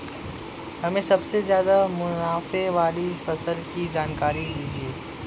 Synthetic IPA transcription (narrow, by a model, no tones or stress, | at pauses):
hɐmẽsɐbsezjaːd̪amʊnaːfeʋaːlifɐsəlkid͡ʒaːnkaːɾid̪iːd͡ʒieː